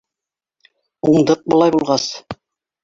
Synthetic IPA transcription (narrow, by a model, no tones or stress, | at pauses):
uɴd̪ɤq̚bɤ̆lˠɑjbulˠʁɑs